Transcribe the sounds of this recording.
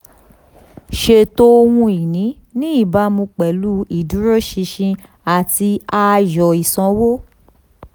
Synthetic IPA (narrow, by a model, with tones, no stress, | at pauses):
ʃe˧˨to˦o˧wũ˧i˨nĩ˨˦ | nĩ˦i˦˨ba˨˦mũ˧k͡pɛ˨lu˦i˦˨du˨˦ɾo˦ʃĩ˧ʃĩ˧ | a˨ti˧a˧jɔ˨i˨sɔ̃˧˦wo˦